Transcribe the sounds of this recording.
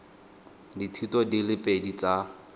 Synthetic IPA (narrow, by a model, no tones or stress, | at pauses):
ditʰutɔdilɪpʼedit͡sa